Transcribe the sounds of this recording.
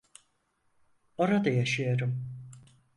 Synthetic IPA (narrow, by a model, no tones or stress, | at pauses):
o̞ɾad̪ajaʃɯjoɾum